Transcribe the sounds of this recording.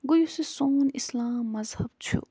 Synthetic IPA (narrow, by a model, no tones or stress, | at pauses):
ɡujusesoːnislaːmːɐzhɐb̚t͡ʃʰṵ